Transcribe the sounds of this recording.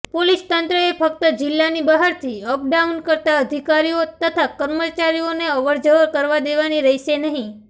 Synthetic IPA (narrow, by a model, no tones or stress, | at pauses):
polist̪ənt̪ɾəefək̚t̪əd͡ʒɪlːanibaɦaɾt̪ʰiəp̚ɖaunkəɾt̪aəd̪ʱikaɾiot̪ət̪ʰakəɾmət͡ʃaɾioneəʋəɾd͡ʒəɾkəɾʋad̪eʋaniɾəɦiʃenəɦĩ